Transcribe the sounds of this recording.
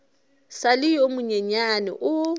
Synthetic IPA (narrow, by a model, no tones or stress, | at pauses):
salɪjomʊɲeɲanɛ̰ʔʊ